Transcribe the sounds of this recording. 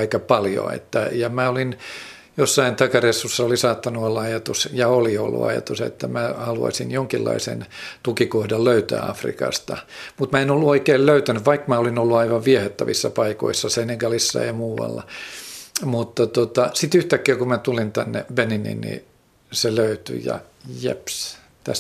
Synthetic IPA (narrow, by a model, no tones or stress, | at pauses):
ikɑpɑljo̰ḛt̪ːæjɑmæolin | josːɑint̪ɑkɑresːusːɑolisɑːt̪ːɑnuolːɑɑjɑt̪usjɑolio̰lːṵɑ̰jɑ̰t̪usḛt̪ːæmæhɑluɑ̰sinjoŋkilːɑ̰isḛnt̪ukikohdɑlløyt̪æ̰ːɑ̰frḭkɑ̰st̪ɑ̰mut̪mæenolːuoikeːlløyt̪ænyʋʋɑikmæolinolːuɑiʋɑʋʋiɛhet̪ːæʋisːɑpɑiko̰isːɑseneŋkælisːɑ̰imuːwɑ̰lːɑ̰ | mut̪t̪ot̪ot̪ɑsit̪yht̪ækːæːkumæt̪ulint̪ænːḛbeninḭnnḭ | seløyt̪y̰jɑ̰ | jḛps | t̪æs